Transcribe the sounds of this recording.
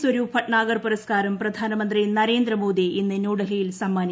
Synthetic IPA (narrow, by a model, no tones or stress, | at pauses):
sʋɐɾuːfʰɐʈɳaːɡɐrpuɾɐskaːɾɐmprɐd̪ʱaːnɐmɐnd̪rinɐɾeːnd̪rɐmoːd̪iʔinːɨnuːɽɐlɐjilsɐmːaːni